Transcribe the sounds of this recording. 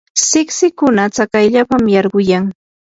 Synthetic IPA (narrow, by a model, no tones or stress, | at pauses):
sɪksɪkʊnat͡sakajʎapamjɑɾɢʊjaŋ